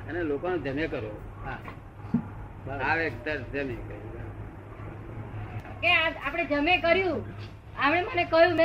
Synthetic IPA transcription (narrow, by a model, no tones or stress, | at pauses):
ənelokonod͡ʒəmjekəɾo | ɦã | aʋekt̪əɾd͡ʒəmekəu | keaapɽ̃ed͡ʒəmẽkəɾjũ | amɽemənekəjũme